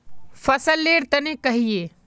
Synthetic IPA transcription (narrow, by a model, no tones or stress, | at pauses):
fʰɐsəlːeːɽt̪ənekəɦijeː